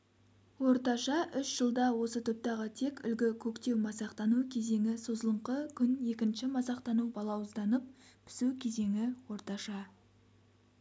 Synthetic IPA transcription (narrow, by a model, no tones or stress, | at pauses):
wo̞ɾt̪ɑʃɑʔʏʃʒ̥əlˠd̪ɑwo̞sət̪ʰʊp̚t̪ɑʁət̪ʰe̞kʲʏ̰lɡʲɪkʲʰɵkt̪e̞wmɑsɑqt̪ɑnukʲʰe̞ze̞ŋɪso̞zəlˠəɴqəkʲʰʏne̞kʲɪnʃɪmɑsɑqt̪ɑnubɑlˠɑwʊzd̪ɑnəp̚pʰɪ̥sukʲʰe̞ze̞ŋɪwo̞ɾt̪ɑʃɑ